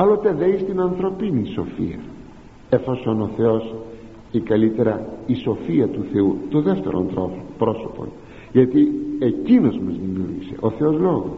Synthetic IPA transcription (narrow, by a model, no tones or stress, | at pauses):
alot̪eðejst̪inɐnθɾopiniso̰fḭɐ̰ | efosonoθeos | ikɐlit̪eɾɐisofiɐt̪uθeut̪oðɛst̪eɾo̰nt̪opɾosopo̰n | ʝet̪iecinozmezðimiuɾḭsḛʔoθeozloɣo